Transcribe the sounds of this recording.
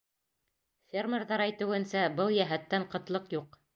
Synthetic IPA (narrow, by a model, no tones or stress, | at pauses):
fʲermʲerðɑɾæjt̪ɘ̆wɘ̆nsæbɤlˠjæɦæt̪ːæɴqɤ̆t̪lˠɤqjuq